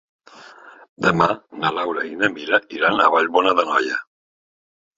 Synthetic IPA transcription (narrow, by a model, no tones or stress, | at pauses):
d̪əmanalawɾainəmiɾəiɾanə̰βaʎβɔnəðənɔ̰jə